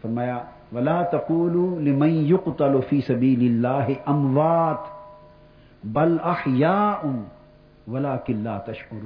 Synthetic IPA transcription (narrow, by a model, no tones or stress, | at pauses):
fɐɾmaːjaː | ʋɐlaːt̪ɐquːlulɪmɐnjʊqt̪ɐlfiːsɐbiːlɪlːaːɦɪʔɐmwaːt̪ | bɐlɐħjaːʔʊ | wɐlaːkɪnlaːt̪ɐʃʕʊɾː